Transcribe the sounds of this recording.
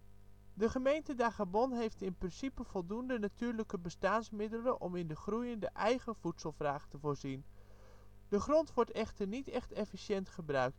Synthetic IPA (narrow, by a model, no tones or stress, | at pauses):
dəχəmejntədaχabɔnɦejftɪnprɪnsipəv̥ɔlˠdundənatyːɹləkəbəstaːnsmɪdələʔɔmɪndəχrujəndəʔɛjɣəv̥utsəlˠvraːχtəvoːɹzin | d̥əχrɔntʋɔɹtɛχtərnitɛχtɛfisjɛntχəbrœɥk̚t